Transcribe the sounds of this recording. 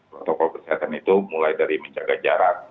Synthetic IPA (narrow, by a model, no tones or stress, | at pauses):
pɾɔt̪ɔkɔlkərsiɦat̪anit̪umulajdaɾiməɲd͡ʒaɡad͡ʒaɾat̚